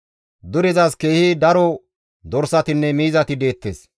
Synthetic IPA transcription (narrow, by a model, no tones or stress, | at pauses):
d̪ʊɾɪzɐske̞ːhid̪ɐɾɔ | d̪ɔɾsɐt̪ɪnːɛmiːzɐt̪ɪd̪e̞ːt̪ːeːs